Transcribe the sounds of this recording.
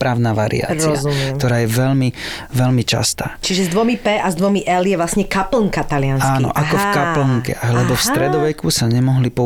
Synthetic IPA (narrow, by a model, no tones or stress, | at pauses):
pɾaʊnaʋaɾḭa̰ːɾɔazumkkt̪ɔɾaːjɛʋɛʎmiʋɛlmit͡ʃa̰st̪aːt͡ʃiʒɛzd̪ʋɔmipɛʔazd̪ʋɔmiʔɛljɛʋlasɲɛkapl̩ŋkat̪alɪanakːnɔ̰ʔakɔfkaplŋkɛ̰lɛbɔfst̪ɾɛd̪ɔʋɛkusaɲɛmɔɦlipɔ